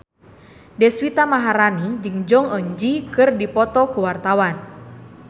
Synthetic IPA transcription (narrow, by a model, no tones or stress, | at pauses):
dɛswit̪amaɦaɾanid͡ʒɨŋd͡ʒɔŋəɲd͡ʒikɨrdipɔt̪ɔkuwart̪awan